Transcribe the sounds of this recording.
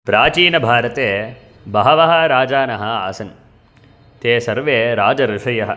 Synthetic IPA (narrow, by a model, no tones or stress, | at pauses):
pɾaːt͡ʃiːnɐbʱaːɾɐt̪eː | bɐɦɐʋɐɦɐ̆ɾaːd͡ʒaːnɐɦɐ̆a̰ːsɐn | t̪eːsɐɾʋeːɾaːd͡ʒɐɾɪʂɐjɐɦɐ̆